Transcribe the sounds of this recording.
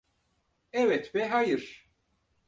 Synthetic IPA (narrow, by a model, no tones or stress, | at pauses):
ɛvɛt̪bɛɦajɨɾ